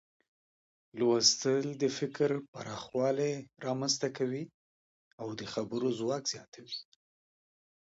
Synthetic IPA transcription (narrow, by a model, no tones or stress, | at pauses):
lwast̪əld̪əfɪkɾpaɾɑxwɑleɾɑmanzt̪akawi | awd̪əxabəɾozwɑkz̥jɑt̪ʰawi